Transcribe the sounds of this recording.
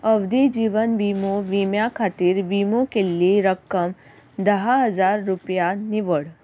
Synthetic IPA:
əʋd̪id͡ʒiːʋənʋiːmoʋiːmjakʰaːt̪iːɾʋiːmõkelieɾəkːəm | d̪ɐɦaɦɐzaːɾːʊpjanɪʋəɽ

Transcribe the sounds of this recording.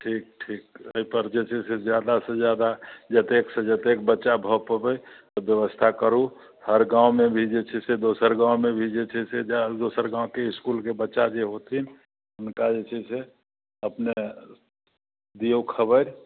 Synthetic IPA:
ʈʰiːk̚ʈʰiːkəipəɾd͡ʒet͡ʃʰɛsed͡ʒjad̪asə̃d͡ʒjad̪ad͡ʒət̪eksə̃d͡ʒət̪ek̚bətːʃabʱəpəbəjt̪əbjəʋəst̪ʰakəɾu | həɾɡãumebʱid͡ʒet͡ʃʰɛsed̪osəɾɡãːwmebʱid͡ʒet͡ʃʰɛsed͡ʒd̪osəɾɡãʊkeɪskulkebətːʃad͡ʒeɦot̪ʰin | ʊnkad͡ʒet͡ʃʰɛsʰe | əpne | d̪iokʰəbəɾ

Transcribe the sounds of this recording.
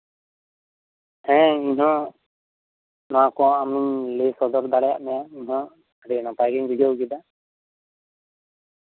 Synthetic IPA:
ɛ̃iɲɦɔ̃ | nãkɔ̃amilesɔd̪ɔɾd̪aɽɛja̰ʔmɛjaiɲɦɔ̃ | ɾɛnɔpajɡiŋbʱiɡjɔwɡid̪a

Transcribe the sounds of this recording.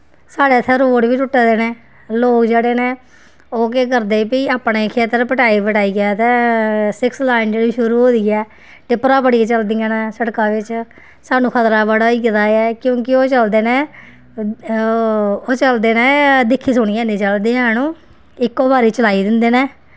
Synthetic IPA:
saːɽeːt̪ʰeːɾoːɽʋiːʈʊʈːeːd̪eːnẽː | loːkd͡ʒeːɽeːnẽː | oːkekəɾd̪eːpiːaːpɳeːkʰeːt̪əɾpəʈaːiːpəʈaːiːɡɛːt̪ɛ̃ːsɪkslaːɪnd͡ʒeːɽiːʃʊɾuːɦoːd̪iːɛː | ʈɪpːɾãːpəɽieːt͡ʃəld̪iːãːnɛ̃ːsəɽkãːʋɪt͡ʃ | saːnũːkʰət̪ɾaːbaɽaːiːkɪt̪aːɛːkjõːkɪoːt͡ʃəld̪eːneː | oːt͡ʃəld̪eːnẽːd̪ɪkʰːiːsʊɽ̃iːɛːnẽːt͡ʃəld̪iːãːnũː | ɪkːoːbaːɾiːt͡ʃəlaːiːd̪ɪnd̪eːnɛ̃ː

